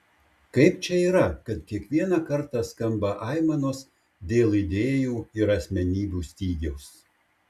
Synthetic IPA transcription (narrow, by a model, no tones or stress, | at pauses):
kɐɪpt͡ʃʲɛiːɾɐkɐt̪kʲiɛkʋʲiɛnɑkɐɾˑt̪ɑːskɐmbɐʔɑˑɪmɐnoːs | d̪ʲeːlˠɪd̪ʲeːjuːɪɾɐsʲmʲɛnʲiːbʲuːsʲt̪ʲiːɡʲɛʊs